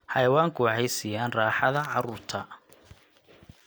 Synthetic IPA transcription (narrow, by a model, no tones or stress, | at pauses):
hɑjɐwaːŋkʰʊwɑħɛjsiːjaːnraːħɑðɐʕɑɾuːrt̪ʰɐ